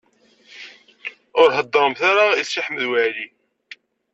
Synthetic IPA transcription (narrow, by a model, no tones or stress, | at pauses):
ʊɾɦəd̪ːəɾˤəmθaɾaisːiħməðwəʕli